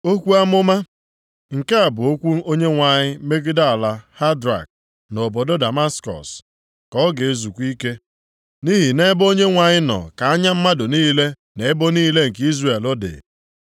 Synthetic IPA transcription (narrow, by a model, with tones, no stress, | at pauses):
o˦kʷu˦a˦mʊ˦ma˦ | ŋ̩˨ke˦a˨bʊ˨o˦kʷu˦o˦ɲe˦ŋʷa˨ɲɪ˦me˦ɡɪ˦da˦a˨la˦ha˦dɾa̰˨k̚ | no˨bɔ˨do˦da˨ma˦skɔ̰˨s | kɔ˦ɡe˨e˦zu˨kʷi˦ke˦ | ni˦ɦi˨ne˦bo˦ɲe˦ŋʷa˨ɲɪ˦nɔ̰˨ka˨a˦ɲa˦m̩˦ma˦do˨niː˦le˦ | ne˨e˦bo˦niː˦le˦ŋ̩˨ki˦zre˦˨e˨lo˦dɪ̰˨